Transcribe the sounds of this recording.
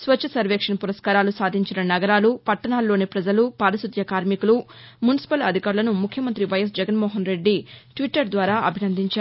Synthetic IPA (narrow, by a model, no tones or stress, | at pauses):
sʋɐt͡ʃʰːɐsɐɾʋeːkʂɐnpuɾɐskaːɾaːlusaːd̪ʱiɲt͡ʃinɐnɐɡɐɾaːlupɐʈːɐnaːlːo̞ːnipɾɐd͡ʒɐlupaːɾɐsud̪ʱjɐkaːɾmikulumunisi̥pɐlɐd̪ʱikaːɾulɐnumukʰjɐmɐnt̪ɾiʋɐjɐs̬d͡ʒɛɡɐnmɔːɦɐnɾe̞ɖːiʈʋiʈːɐɾd̪ʋaːɾaːʔɐbʱinɐnd̪ʱiɲt͡ʃaː